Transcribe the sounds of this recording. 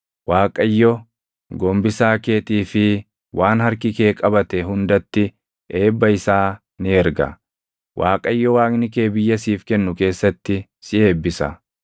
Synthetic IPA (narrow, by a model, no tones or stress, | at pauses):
waːkʼɐjːɔ | ɡɔmbɪsaːke̞ːt̪iːfɪ | wʔaːnhɐɾkɪke̞ːkʼɐbɐt̪ɛɦʊnd̪ɐt̪ːɪ | ʔe̞ːbːɐɪsaː | nɪɛɾɡɐ̰ | wʔaːkʼɐjːɔwaːknɪke̞ːbɪjːɐsiːfkɛnːʊke̞ːsːɐt̪ːɪsɪe̞ːbːɪsɐ̰